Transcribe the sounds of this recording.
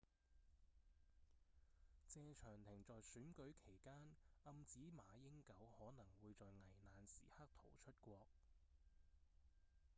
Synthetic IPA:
t͡sɛː˧t͡ʃʰœː˨˩ŋt̪ʰɪ˨˩ŋt͡sɔː˨jsyː˨˥nkɵ˨˥ɥkʰe˨˩jkaː˥nɐ˧mt͡siː˨˥maː˨˧jɪ˥ŋkɐ˨˥whɔː˨˥nɐ˨˩ŋwuː˨˧jt͡sɔː˨jŋɐ˨˩jnaː˨nsḭː˨˩ha˥k̚t̪ʰo˨˩wt͡ʃʰɵ˥t̚kʷɔː˧k̚

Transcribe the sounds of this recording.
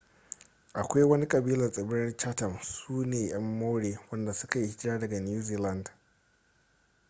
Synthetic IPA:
ʔa˨kʷa˦jwɐ˦ni˦kʼɐ˨biː˦lɐ˨sʼɐ˨bɪ˦ɾɐ˦rt͡ʃa˦tɐ˨msuː˦neː˨j̰ɐ˦mːa˦wɽeː˨wɐ˦nda˨sʊ̥˦ka˨ji˦ɪ˦kʲɪ˦ɾaː˦dɐ˨ɡa˨njuː˦ziː˦lɐ˦˨nd

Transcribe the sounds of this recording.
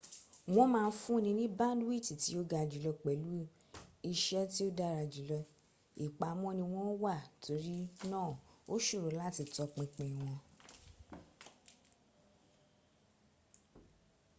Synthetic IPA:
w̃ɔ̃˦mãː˧n̩˦fũ˦˧nĩ˧nĩ˦bã˦dwi˦˨ti˨ti˨˦o˦ɡa˧˨d͡ʒi˨˦lɔ˧k͡pɛ˨lu˨˦ | i˧ʃɛ˦ti˦o˦da˦ɾa˧d͡ʒi˨˦lɔ˧ | i˨k͡pa˨˦mɔ̃˦nĩ˧w̃ɔ̃˦wa˦˨tʰo˧˦ɾi˦nãː˦˨o˦ʃu˦˨ɾo˨˦la˦˨ti˧tɔ˧k͡pĩ˧k͡pɛ̃˨w̃ɔ̃˧

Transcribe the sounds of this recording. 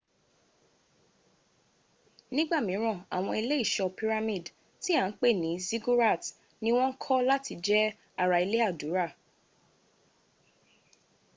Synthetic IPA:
nĩ˦ɡ͡ba˦˨mĩ˨˦ɾ̃ã˦˨a̰˨w̃ɔ̃˧i˧le˦i˦˨ʃɔ˧pi˦ɾa˧mĩ˦˨d | ti˦ã˨˦k͡pe˦˨nĩ˨˦zi˦ɡu˦ɾa˦˨t | nĩ˧˦w̃ɔ̃˦ŋ̩˦kʰɔ˦la˦tʰi˧˦d͡ʒɛ˦ | a˨ɾa˨˧i˧le˦a˦˨du˨˦ɾa˦˨

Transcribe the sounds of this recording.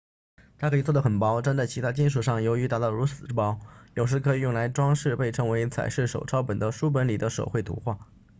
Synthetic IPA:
t̪ʰa˥kʰɤ˥i˨˩t͡swd̪ə˩xə˨˩npɑ˧˥ʊʈ͡ʂa˥nt͡sa˥˩ɪt͡ɕʰi˧˥a˥t͡ɕi˥nʂ̬u˨˩ʂɑ˥˩ŋjo˧˥ʊy˧˥t̪a˨˧˩t̪ɑ˥˩ʊɻu˧˥t͡sɹ̩˨˩˥pɑ˧˥ʊjo˨ʊʂɻ̩˧˥kʰɤ˧˥i˨˩jʊ˥˩ŋla˧˥ɪʈ͡ʂwɑ˥ŋʂɻ̩˥˧pe˥˩ɪʈ͡ʂʰɤ˧˥ŋwe˧˥ɪt͡sʰa̰˨˩ɪʂɻ̩˥˩ʂo̰˨˩ʊʈ͡ʂʰɑ˥ʊpə˨˩nd̪ə˦ʂu˥p̬ə˧˥nli˨˩d̪ə˦ʂo̰˨˩ʊxwe˥˩ɪt̪ʰṵ˧˥xwa˥˩

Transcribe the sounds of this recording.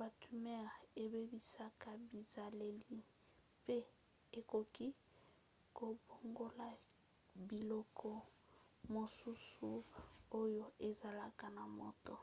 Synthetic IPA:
ba˨tu˨mɛ˦˨e˨be˦bi˦sa˦ka˦bi˨za˨le˨li˦ | pe˦ | e˨ko˨ki˦ | ko˨bo˨ŋɡo˦la˦ | bi˨lɔ˦kʰɔ˦ | mo˨su˦su˨o˦jo˦e˨za˨la˦ka˨na˨mo˨to˨

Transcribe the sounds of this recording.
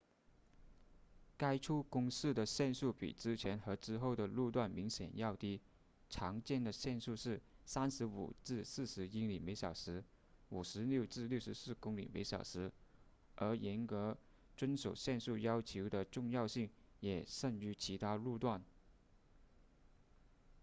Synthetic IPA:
ka˥ɪʈ͡ʂʰu˥kʊ˥ŋsɹ̩˥˩d̪ə˩ɕjɛ˥˧nsu˥˩pḭ˨˩ʈ͡ʂɻ̩˥t͡ɕʰjɛ˧˥nxɤ˧˥ʈ͡ʂɻ̩˥xo˥˩ʊd̪ə˩lu˥˧t̪wa˥˩nmi˧˥ŋɕjɛ̰˨˩njɑ˥˧ʊt̪i˥ | ʈ͡ʂʰɑ˧˥ŋt͡ɕjɛ˥˩nd̪ə˩ɕjɛ˥˧nsu˥˧ʂɻ̩˥˩sa˥nʂɻ̩˧˥ṵ˨˩ʈ͡ʂɻ̩˥˧sɹ̩˥˩ʂɻ̩˧˥i˥li˨˩me˧˥ɪɕjɑ˨˩ʊʂɻ̩˧˥ | u˨˩ʂɻ̩˧˥ljo˥˧ʊʈ͡ʂɻ̩˥˧ljo˥˩ʊʂɻ̩˧˥sɹ̩˥˩kʊ˥ŋlḭ˨˩mḛ˧˥ɪɕjɑ̰˨˩ʊʂɻ̩˧˥ | ə˞˧˥jɛ˧˥nkɤ˧˥ | ʈ͡ʂwə˥nʂo˨˩ʊɕjɛ˥˧nsu˥˩jɑ˥ʊt͡ɕʰjo˧˥ʊd̪ə˧ʈ͡ʂʊ˥˧ŋjɑ˥˧ʊɕi˥˩ŋjɛ˨˩ʂə˥˩ŋy˧˥t͡ɕʰi˧˥t̪ʰa˥lu˥˧t̪wa˥˩n

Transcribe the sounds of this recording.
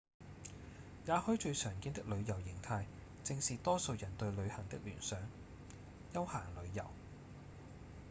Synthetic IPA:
jaː˨˧hɵ˥ɥt͡ʃɵ˧ɥsœː˨˩ŋkiː˥nt̪ɪ˥k̚lɵ˨˧ɥjɐ˨˩wjɪ˨˩ŋt̪ʰaː˧j | t͡sɪ˧ŋsiː˨t̪ɔː˥so˧wjɐ˨˩nt̪ɵ˧ɥlɵ˨˧ɥhɐ˨˩ŋt̪ɪ˥k̚lyː˨˩nsœː˨˥ŋ | jɐ˥whaː˨˩ŋlɵ˨˧ɥjɐ˨˩w

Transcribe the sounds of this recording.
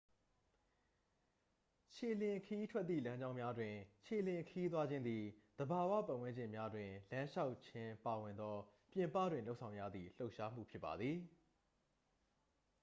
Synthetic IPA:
t͡ɕʰe˨lɪ̃˨kʰəji˦tʰwɛ˦t̪̚t̪ːḭ˦˨lã˦ɲd͡ʑã˦ʊ̃mja˦dwɪ̃˨t͡ɕʰe˨lɪ̃˨kʰəji˦t̪̬wa˦d͡ʑɪ̃˦nd̪i˨d̪̥əba˨wä̰˦˨pã˨wɪ̃˦ɲd͡ʑɪ̃˨mja˦dwɪ̃˨lã˦ʃa˦ʊt͡ɕʰɪ̃˦pa˨wɪ̃˨nd̪ɔ˦ | pjɪ̃˨mpä̰˦˨dwɪ̃˨lo˦ʊʔsʰã˨ʊ̃jä̰˦˨d̪ðḭ˦˨l̥o˦ʊʔʃa˦m̥ṵ˦˨pʰjɪ˦pːa˨d̪ði˨

